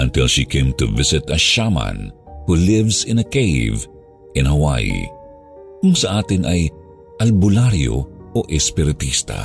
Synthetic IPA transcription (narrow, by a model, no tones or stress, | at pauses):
ʔɐ̰̃nt̪ɪlʃikʰẽjmt̪ṵvɪsɪt̪ɐʃamɐ̰nhulɪvsɪ̃nɐkejv | ʔɪ̃nhɐwa̰j̰ | kʊŋsɐʔaːt̪ɪnʔɐj | ʔɐlbʊlaɾjo̰ʔoʔɛspɪɾɪt̪ist̪ɐ̰